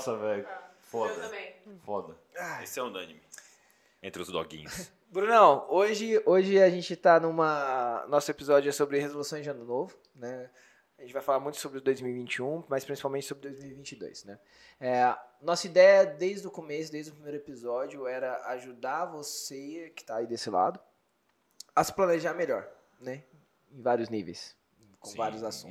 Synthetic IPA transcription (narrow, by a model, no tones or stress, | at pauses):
sɐvɛjfɔɐmẽfɔd̪ɐ | aesɪɛʊ̃d̪ɐ̃nimɪ | ẽnt̪ɾʊzd̪ɔ̰ɡḭ̃ɲʊs | bɾũnɛwoʒɪoʒɪaʒẽnt͡ʃɪt̪anũmɐnɔsʊepizɔd͡ʒʊɛsobɾɪhezolusõj̃zd͡ʒɪɐ̃nʊnovʊ | nɛ | ʒẽt͡ʃɪvajfalaɾmũj̃t̪ʊsobɾɪʊd̪ojzmiwivĩnt͡ʃiũmɐjspɾĩsi̥pawmẽnt͡ʃɪsobɾɪd̪ojzmiwivĩnt͡ʃɪd̪o̰jsnɛ | ɛnɔsɐid̪ɛjɐd̪ejzd̪ʊkomesʊd̪ejzd̪ʊpɾimejɾʊepizɔd͡ʒʊɛɾɐaʒud̪aɾvosekɪ̥t̪aid̪esɪla̰d̪ʊ | ɐsɪ̥plɐ̃neʒaɾmeʎɔɾ | nɛ | ẽj̃vaɾiʊznivḛjs | kõvaɾiʊzasũt̪ʊ